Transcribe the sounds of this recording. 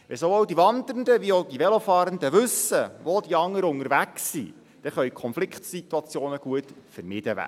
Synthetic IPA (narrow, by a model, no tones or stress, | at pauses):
ʋɛsoowd̥iʋɑnd̪əɾnd̪əʋiod̥̪iʋɛlofɑːɾənd̪əʋɵsəʋod̥̪iɑŋːəɾəʊŋəɾʋæksːḭ | d̥ɛχœjkʰɔnflɪkχtsit̪uɑt͡sjoːnəɡ̥uətfəɾmɪd̥əʋæ̰